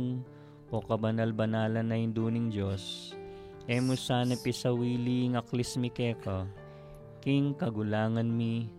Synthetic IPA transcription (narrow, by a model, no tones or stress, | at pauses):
ŋ | ʔokɐbɐnɐlbɐnaːlɐnːɐjɪnd̪uːnɪŋd͡ʒos | ʔɛmʊsaːnɐpɪsɐwiːliŋɐklɛsmɪkɛːkɐ | kiŋkɐɡʊlaːŋɐnmi